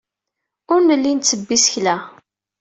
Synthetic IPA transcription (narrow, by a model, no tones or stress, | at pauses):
ʊɾnəlːint͡sːəbːisçlæ